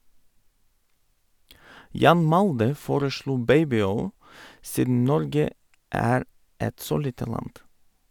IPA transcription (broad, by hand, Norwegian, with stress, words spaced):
ˈjɑːn ˈmɑldə ˈfoːɾəˌʃluː ˈbeɪbɪˌɔʏl ˈsiːdn̩ ˈnɔɾɡə ˈæːɾ ˈɛt ˈsoː ˈliːtə ˈlɑnd